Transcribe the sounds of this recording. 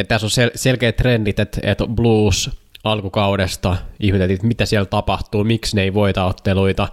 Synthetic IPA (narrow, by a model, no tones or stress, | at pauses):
et̪t̪æsoselselkeːt̪ːrendit̪et̪ḛt̪bluːsɑlkukɑudest̪ɑihmet̪elːit̪mit̪æsielt̪ɑpɑht̪uːmiksneiʋoit̪ɑot̪ːeluit̪ɑ